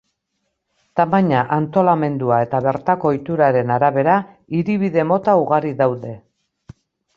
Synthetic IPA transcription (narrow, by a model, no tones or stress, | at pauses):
t̪amaɲaʔant̪o̞lame̞nd̪uae̞t̪aβe̞ɾt̪ako̞jt̪uɾaɾe̞naɾaβ̞e̞ɾa | iɾiβiðe̞mo̞t̪auɣaɾiðawðe̞